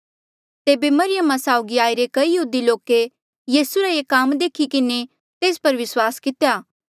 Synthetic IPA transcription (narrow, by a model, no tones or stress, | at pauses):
t̪eːbemɐɾɪjəmasaːʊɡiaːiɾekɐijɐɦuːd̪iloːke | jiːsuɾaeːkaːmd̪eːkʰikɪne | t̪eːspɐɾʋɪswaːskɪt̪ejaː